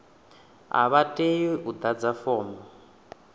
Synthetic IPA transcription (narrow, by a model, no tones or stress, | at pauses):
a̰βatʼejiʔud̪ad͡zafɔːmɔ